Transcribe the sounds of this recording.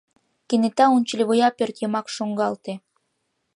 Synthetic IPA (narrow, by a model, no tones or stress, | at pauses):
kenet̪ɑunʲt͡ɕlʲeβojɑpørt̪jɤmɑkʃoŋɡɑlt̪e